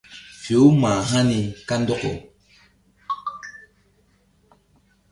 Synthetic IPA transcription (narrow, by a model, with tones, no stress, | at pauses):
fi˨o˦mãː˨ɦã˦ni˨ka˦n˦dɔ˦ko˨